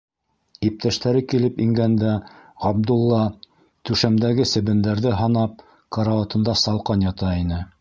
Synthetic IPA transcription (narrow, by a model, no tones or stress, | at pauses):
ip̚t̪ʰæʃt̪æɾɘkilɘpiŋɡænd̪æʁɑbd̪ulˠːɑ | t̪ʉʃæmd̪æɡɘsɘ̆βɘ̆nd̪æɾðɘɦɑnɑp̚ | kɑɾɑot̪ɤ̆nd̪ɑsɑlˠqɑnjɑt̪ɑinɘ